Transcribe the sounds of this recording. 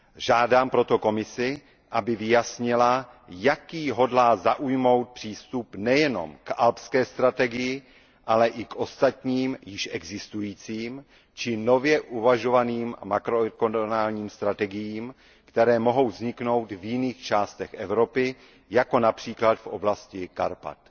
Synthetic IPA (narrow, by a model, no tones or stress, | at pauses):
ʒaːdaːmpɾo̞t̪o̞ko̞mɪsɪ | ʔabɪvɪjasɲɪla | jakiːɦo̞dlaːzaʔujmo̞wt̪̚pr̥iːst̪upnɛjɛno̰mkʔalpskɛːst̪ɾat̪ɛɡɪjɪ | ʔalɛʔɪkʔo̞st̪at̪ɲiːmjɪʃʔɛɡzɪst̪ujiːt͡siːm | t͡ʃɪno̞vjɛʔuvaʒo̞vaniːm̰makɾokonnaːlɲiːmst̪ɾat̪ɛɡɪjiːm | kt̪ɛɾɛːmo̞ɦo̞wvzɲɪkno̞wt̪vjɪniːxt͡ʃaːst̪ɛxʔɛvɾo̞pɪ | jako̞napr̥iːklat̪fʔo̞blascɪkaɾpa̰t̪